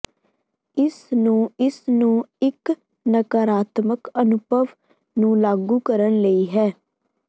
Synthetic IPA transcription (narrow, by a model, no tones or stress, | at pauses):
ɪsnũːɪsnũːɪk | nəkaɾaːt̪məkənʊbʱəʋ | nũːlaːɡuːkəɾənləiːɦɛː